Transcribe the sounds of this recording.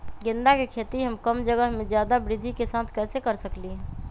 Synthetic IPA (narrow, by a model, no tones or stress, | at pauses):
ɡend̪akekʰet̪iɦəmkəmd͡ʒəɡəɦmed͡ʒjad̪abɾid̪ʱikesãt̪ʰkɛsekəɾsəkliɦɛ̃